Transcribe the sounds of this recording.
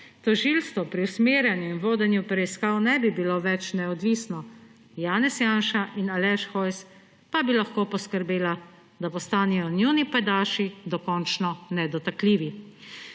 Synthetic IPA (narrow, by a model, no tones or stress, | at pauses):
t̪ɔʒiːlst̪ʋɔpɾiusmeːɾjɛnjuinʋoːd̪ɛnjupɾɛiskaːwnɛbibiloʋɛt͡ʃnɛɔd̪ʋiːsnɔ | jaːnɛsjaːnʃaʔinalɛʃxɔjs | pabilaxkoːpɔskəɾbeːla | d̪apɔst̪aːnɛjɔnjunipɛd̪aːʃid̪ɔkɔnt͡ʃnɔnɛd̪ɔt̪akliːʋi